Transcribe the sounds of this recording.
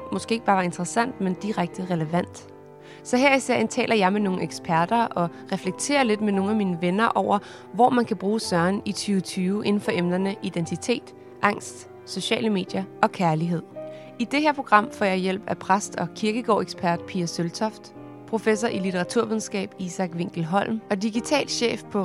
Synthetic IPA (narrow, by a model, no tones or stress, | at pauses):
mɔ̽sɡ̥e̝̰ːɡ̥̚b̥ɑ̈ːʋɑ̈e̝nd̥ʁɛsæn̰d̥mend̥iʁaɡ̥̚d̥əʁɛləʋæn̰d̥ | sɒ̽ɦæɐ̰isɛɐ̰nt͡sʰɛ̰ːlʔɐjɑ̈ɪmeno̝ːŋ̩eɡ̥sb̥ʰæɐd̥ɐɒ̽ʁɛfleɡ̥̚t͡sʰe̝̰ːɐle̝d̥meno̝ːŋ̩æmiːnəʋenɐʔɒʊ̰ɐ | ʋɒːmænkʰæb̥ʁuːsɶɐnit͡sʰyːʊt͡sʰyːʊʔe̝n̩fɒ̽ʔemnɐnəʔid̥ent͡sʰit͡sʰe̝̰ːd̥ | ʔɑ̈ŋ̰sd̥ | so̝ɕɛ̰ːləme̝̰ːd̥jɐɒ̽kʰæɐliɦe̝ð̰ˠ | id̥eɦeɐpʰʁo̝ɡ̥ʁɑ̈m̰fɒ̰jɑ̈ɪjel̰b̥æpʰʁasd̥ɒ̽kʰiɐɡ̥əɡ̥ɒ̰ːeɡ̥sb̥ʰæɐd̥pʰiːɐsølt͡sʰɒ̽fd̥ | pʰʁo̝fesɒʔilit͡sʰeʁɑ̈t͡sʰuɐʋiðˠn̩sɡ̥ɛ̰ːb̥isɑ̈ɡ̥ʋe̝ŋ̰ɡ̥l̩ɦɒ̽l̰mɒ̽diɡ̥it͡sʰɛ̰ːlɕḛːfpʰɒ̽